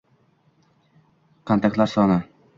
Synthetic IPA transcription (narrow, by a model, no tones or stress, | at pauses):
qʰɑnt̪akʲlˠaɾsɒnɪ